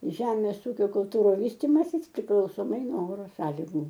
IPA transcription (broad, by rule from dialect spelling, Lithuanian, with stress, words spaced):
ˈʒʲæːmʲeːs ˈuːkʲoː kʊlˠˈtuːrʊ ˈʋʲiːsʲtʲɪmɐsʲɪs pʲrʲɪklˠɐʊsoːˈmɐɪ noː ˈoːroː ˈsɑːlʲɪɡʊ